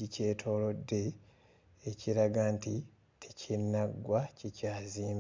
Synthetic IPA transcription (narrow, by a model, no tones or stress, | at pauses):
ice̞ːtʰo̞ːlo̞dːe̞ː | ciɾaɡaːnti | tʰecʰinːaɡwacicaːziːm